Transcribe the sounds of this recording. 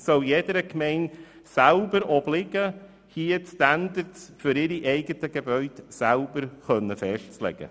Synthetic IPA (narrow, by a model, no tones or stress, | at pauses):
sɔljedəɾəkmɛɪn | sælbəɾɔblɪɡə | hiətstændəɾtsfʏɾɪɾiʔɛɪɡətəɡ̥ebœʏdsælbəɾχœnːəfɛʃtt͡slɛ̰ɡ̥ə̰